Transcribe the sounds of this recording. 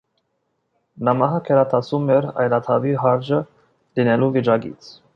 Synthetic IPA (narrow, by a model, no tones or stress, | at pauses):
nɑmɑɦɑkʰɛɾɑt̪ʰɑsumɛɾɑ̰jlɑt̪ʰɑviɦɑɾd͡ʒə | linɛluvit͡ʃɑɡḭt͡sʰ